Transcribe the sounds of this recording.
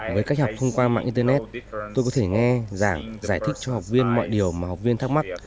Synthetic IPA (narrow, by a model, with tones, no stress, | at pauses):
vəː˨˦jka˦˥k̚hwk͡p̚t̪ʰə˧ŋ͡mkwaː˧ma̰ː˧˨ʔi˧t̪ə˧nɛ˦˥t̚t̪o˧jkɔ˨˦t̪ʰe˧˩ŋɛ˧zaː˧˩ŋzaː˧˩jt̪ʰi˦˥k̚t͡ɕɔ˧ha˨˩wk͡p̚vi˧ənmɔ̰˧˨jɗi˨˩əwmaː˨˩ha˨˩wk͡p̚vi˧ənt̪ʰa˦˥k̚ma˦˥k̚